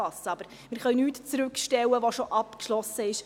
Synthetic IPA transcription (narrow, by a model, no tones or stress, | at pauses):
ɑsəɑb̥əɾ | mɪːɾχœɥnyːtt͡sɾʉkʃtɛwəʋoʃoʔɑpkʃlɔsəɪʃ